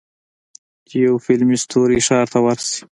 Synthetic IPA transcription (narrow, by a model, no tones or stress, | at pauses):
jawfɪlmist̪ʰoɾiʃɑɾt̪awaɾsi̥